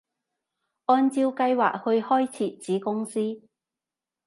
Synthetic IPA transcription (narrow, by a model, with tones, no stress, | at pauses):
ʔɔː˧nt͡siː˧wkɐ˧jwa̰ː˨k̚hɵ˧ɥhɔː˥jt͡sʰiː˨t͡siː˨˥kʊ˥ŋsiː˥